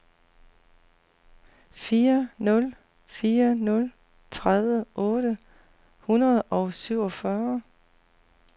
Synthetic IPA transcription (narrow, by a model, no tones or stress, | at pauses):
fiːɐnɔ̽l | fiːɐnɔ̽l | t͡sʰʁaðˠʋəʔɔ̽ːɾ̥ə | hunɐð̞̩ˠʔɒ̽ʊsyʊ̰ɒ̽fɶɐ